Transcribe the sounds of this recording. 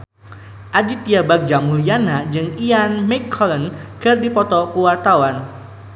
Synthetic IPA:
ʔadit̪iabak̚d͡ʒamuljanad͡ʒɨŋianmɛkʰɔlənkɨrdipɔt̪ɔkuwart̪awan

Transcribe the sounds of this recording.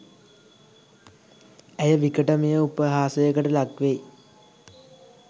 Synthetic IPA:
æjəʋikəʈəmejəupəɦaːsəjəkəʈəlakʋej

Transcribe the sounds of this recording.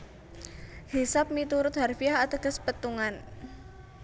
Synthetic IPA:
hisap̚mit̪uɾʊt̪̚ɦarfiahat̪əɡə̤spət̪uŋan

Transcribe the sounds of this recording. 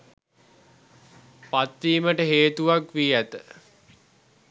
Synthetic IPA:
pat̪ːiːməʈəɦeːt̪uʋakʋiːæt̪ə

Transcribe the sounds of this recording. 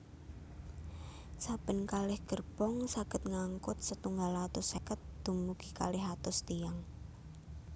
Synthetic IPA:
sab̥ə̤nkalɪhɡ̥ərb̥ɔŋsaɡ̥ə̤t̪̚ŋaŋkʊt̪̚sət̪uŋɡalat̪ʊsekət̪̚d̪̥umuɡ̥ika̰lɪɦat̪ʊst̪ijaŋ

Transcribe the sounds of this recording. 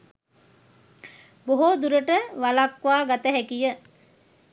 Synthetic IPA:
boɦod̪uɾəʈəʋalakʋaːɡat̪əɦɛkijə

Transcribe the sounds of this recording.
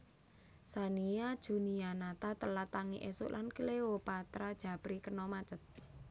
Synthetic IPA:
saniad̥ʒ̥ṳnianat̪at̪əlat̪aŋiʔesʊ̰ʔlʔankəlewopat̪ɾad̥ʒ̥ä̤b̥ɾikənɔmat͡ʃət̪̚

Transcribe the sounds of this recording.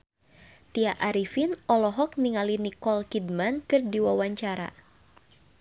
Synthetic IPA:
t̪iaʔaɾifinʔɔlɔɦɔk̚niŋalinikɔlkid̚mankɨrdiwawaɲt͡ʃaɾa̰

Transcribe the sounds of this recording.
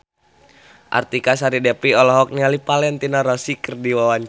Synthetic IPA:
ʔa̰rt̪ikas̬aɾidɛpiɔlɔɦɔk̚nialipalɛnt̪inaɾɔsikərdiwawaɲ

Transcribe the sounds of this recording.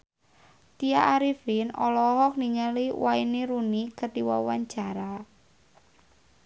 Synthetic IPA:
t̪iaʔaɾifinɔlɔɦɔk̚niɲaliwainiɾunikət̪iwa̰waɲ̥d͡ʒ̥a̤ɾa

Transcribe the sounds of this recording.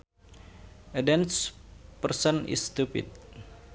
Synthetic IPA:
ədɛnspərsənɪ̰st̪upḭd̚

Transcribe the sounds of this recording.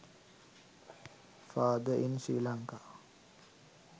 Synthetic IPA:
faːd̪əʔinsḭːlaŋka

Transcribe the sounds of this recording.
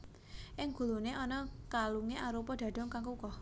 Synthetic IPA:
ʔɪŋɡ̥ṳluneʔɔnɔkaluŋeaɾopɔɖ̪̥ä̤d̥ɔ̤ŋkaŋkukɔ

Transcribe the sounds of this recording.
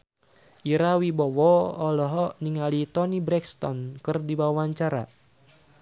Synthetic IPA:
ʔiɾawibɔwɔɔlɔɦɔniŋalit̪ɔnibɾɛkst̪ɔnkɨrdiwawaɲt͡ʃaɾa̰

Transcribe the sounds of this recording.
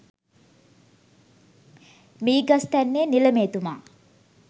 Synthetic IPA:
miːɡast̪ænːeːniləmeːt̪uma̰ː

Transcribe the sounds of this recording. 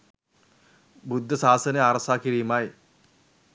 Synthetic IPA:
bud̪ʱːɐsaːsɐnɐaːrɐsaːkːiɾijɐmaːji

